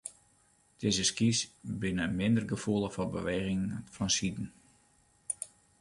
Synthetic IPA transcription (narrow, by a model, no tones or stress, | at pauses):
d̥eːzəskisbɪnəmɪndərɡəfulˠəfɔnbə̰ʋeːɣɪŋfɔnsidn̩